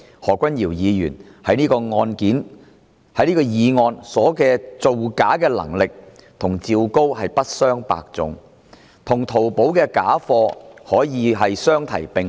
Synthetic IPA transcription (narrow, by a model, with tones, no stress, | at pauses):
hɔː˨˩kʷɐ˥njiː˨˩wjiː˨˧jyː˨˩nhɐ˨˥jniː˥kɔː˧ŋɔː˧nkiː˨˥n | hɐ˨˥jniː˥kɔː˧jiː˨˧ŋɔː˧nsɔː˨˥kɛː˧t͡so˨wkaː˨˥kɛː˧lɐ̰˨˩ŋlɪ˨k̚t̪ʰʊ˨˩ŋt͡siː˧wko˥whɐ˨jpɐ˥t̚sœː˥ŋpa̰ː˧k̚t͡sʊ̰˨ŋ | t̪ʰʊ˨˩ŋt̪ʰo˨˩wpo˨˥wkɛː˧kaː˨˥fɔː˧hɔː˨˥jiː˨˧ɦɐ˨jsœː˥ŋt̪ʰɐ̰˨˩jpɪ˨ŋ